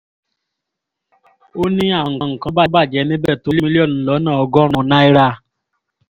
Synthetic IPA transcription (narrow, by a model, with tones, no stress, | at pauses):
o˦nĩ˦a˨ŋ̩˨ŋ̩˨kɔ̃˦ba˦ba˦˨d͡ʒɛ˨˦nĩ˦bɛ˦˨to˨˦lm˦i˦li˦ɔ˦˨n˨lɔ˨˦nã˦˨ɔ˧˦ɡɔ˦ɾ̃ɔ̃˧na˦i˦ɾa˧